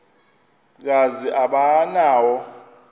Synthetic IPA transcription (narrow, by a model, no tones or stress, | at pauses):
k̬aziʔaɓanaːwɔ